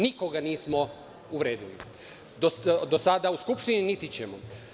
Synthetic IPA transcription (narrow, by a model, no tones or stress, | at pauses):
nikoɡaniːsmo | uʋɾe̞ːd̪ilḭ | d̪od̪osad̪auskupʃt̪ininit̪it͡ɕemo̰